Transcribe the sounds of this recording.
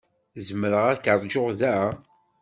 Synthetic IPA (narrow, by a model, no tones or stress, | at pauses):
zəməɾəʁækəɾˤd͡ʒoʁðæ